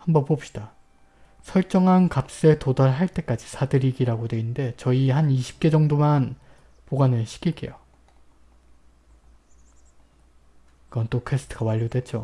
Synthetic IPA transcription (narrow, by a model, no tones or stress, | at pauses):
hambʌnpop̚ɕ͈i̥d̥a | sʰʌɭt͡ɕ͈ʌŋɦankap̚s͈ɯetodaɭɦaɭt͈e̞k͈ad͡ʑi̥sʰadɯɾiɡiɾaɡodwe̞innde̞t͡ɕʌiɦaniɕʰi̥p̚k͈e̞d͡ʑʌŋdoman | poɡanɯɭɕʰi̥k͈ʰiɭk͈e̞̰jo | kɯɡʌnt͈okʰesʰɯ̥tʰɯɡawaʎːodwe̞t͡ɕ͈o